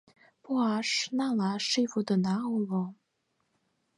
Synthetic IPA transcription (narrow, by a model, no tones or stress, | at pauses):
pɔaʂ̩nalaʂifud̪ənaolɔŋ